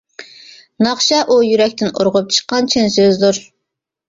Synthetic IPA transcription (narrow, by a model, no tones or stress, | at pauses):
nɑχʃɑʔujyɾɛkʲt̪ɪno̰ɾʁʊp̚t͡ʃʰə̥qːɑnt͡ʃʰɪnsøzd̪uɾ